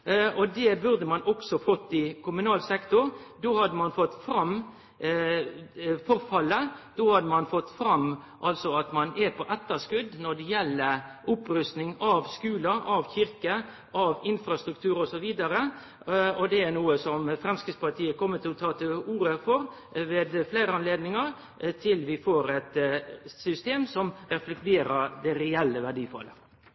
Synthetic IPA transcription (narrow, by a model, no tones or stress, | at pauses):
ɔd̪ɛbʉɾd̪əmɑnɔksɔfɔt̪ːɪkʰʊmʉnɑːlsɛkt̪ʊɾd̪oːhɑd̪əmɑnfɔt̪ːfɾɑm | fɔɾfɑlːəd̪̥oːhɑd̪əmɑnfɔt̪ːfɾɑm | ʔɑlsɔɑt̪mɑnɛpʰɔʔɛt̪ːəskʉd̪nɔd̪ɛjɛlːəʔʊpɾʉst̪nɪŋɑʋskʉːləʔɑʋçɪɾkə | ʔɑʋɪnfɾɑst̪ɾʉk̚t̪ʰʉːɾɔsɔʋiːd̪ɑɾə | ɔd̪ɛæɾnuːəsɔmfɾɛmskəspɑt̪ʰiːəkʰɔmːət̪ʰːɪlɔt̪ʰɑːt̪ʰɪuːɾəfɔɾ | ʋeːd̪fleɪɾəɑnleːd̪nɪŋɑɾ | t̪ʰɪlʋɪfoːɾɛt̪sʏst̪eːmsɔmɾɛflɛkt̪ʰeːɾəɾd̪ɛɾɛɛlːəʋæɖiːfɑ̰lːə̰